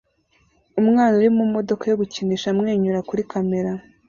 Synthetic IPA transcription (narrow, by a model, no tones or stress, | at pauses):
umŋaːnuɾimumo̞do̞kajoβuciniʃamŋe̞ːɲuɾakuɾikʰame̞ɾa